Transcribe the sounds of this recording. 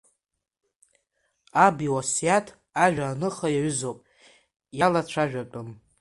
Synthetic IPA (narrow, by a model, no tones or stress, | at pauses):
abiwasjatʰ | aʒʷᶣaːnɨχajaɥʏzowpʼ | jalat͡ʃʷʰaʒᶣat͡pʼʊm